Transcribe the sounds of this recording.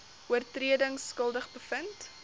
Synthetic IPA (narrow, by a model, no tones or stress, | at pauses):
uərtriədəŋskəlˠdəχbəfənt